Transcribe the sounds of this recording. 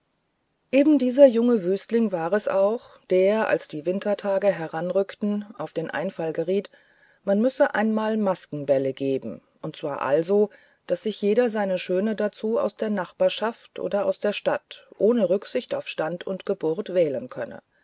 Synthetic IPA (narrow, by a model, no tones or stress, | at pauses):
ʔeːbm̩diːzɐjʊŋəvyːstlɪŋvaːʁɛsʔa̰ʊχ | d̥eːɐʔa̰lsd̥iːvɪntʰɐtʰaːɡəɦɛʁanʁʏktn̩ʔaʊfd̥eːnʔa̰ɪnfalɡəʁiːt | manmʏsəʔa̰ɪnmaːlmaskŋ̩bɛləɡeːbm̩ʔʊnt̚t͡sv̥aːɐʔa̰lzo | d̥asz̥ɪçjeːɾɐzaɪnəʃøːnədat͡suːa̰ʊsd̥eːɐnaχb̥aːɐʃaftʔo̰ːdɐʔa̰ʊsd̥eːɐʃtatʔoːnəʁʏkz̥ɪçtaʊfʃtantʰʊntɡ̥əbʊɐtv̥ɛːlənkʰœ̰nə̰